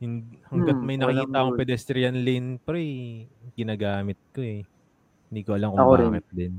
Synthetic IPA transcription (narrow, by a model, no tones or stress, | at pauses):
jʊŋhɐŋɡɐt̪̚mɐjnɐkkiːt̪aʔkopɛd̪ɛst̪ɾɪjɐnlɪnpɛɾɛjɡɪnaːɡaːmɪt̪̚koɛ | hɪnd̪iːkoʔɐlɐmkʊɐaːmɪt̪̚d̪ɪn